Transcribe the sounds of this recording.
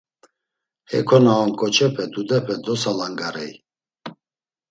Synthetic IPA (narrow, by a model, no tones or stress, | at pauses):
hɛ̰kʰɔnaɔmkʼɔt͡ʃʰɛpʰɛd̪ud̪ɛpʰɛd̪ɔsalaŋɡaɾɛj